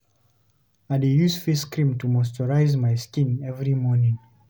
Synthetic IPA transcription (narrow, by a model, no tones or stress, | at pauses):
aɪdijuzfiskɹĩmtʰumɔstɔɹaɪzmaɪskĩnɛvɹimɔnĩŋ